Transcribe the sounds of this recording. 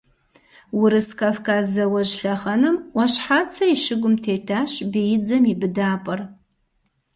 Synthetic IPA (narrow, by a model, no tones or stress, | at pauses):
wɪɾɨskʰavkʰazɐwɐʒɬɐχɐnɨmwaʃħat͡sʰɐiʃɪɡʷʊmtʰeːtʰaʃbijɪd͡zɐmibɨdaːpʼɐr